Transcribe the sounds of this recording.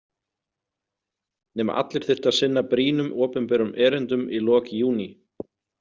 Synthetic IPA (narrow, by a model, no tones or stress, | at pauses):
nɛːma̰ʔa̰t̪lɪɾ̥θɪ̥t̪aðsɪnːapɾiːnʏmʔɔːpʏnpɛːɾʏmʔɛːɾɛnt̪ʏmilɔːkjuːni